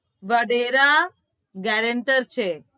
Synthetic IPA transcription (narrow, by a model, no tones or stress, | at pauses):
ʋəɽeɾa | ɡɛɾəɳʈəɾt͡ʃʰe